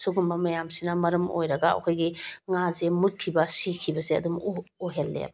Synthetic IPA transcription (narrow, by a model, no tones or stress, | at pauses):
suɡumbɐmɐjamsinɐmɐɾɐmo̰jɾɐɡaɐ̰kʰojɡiŋazemut̚kʰibɐsikʰibɐseɐ̰dumuɦelːḛb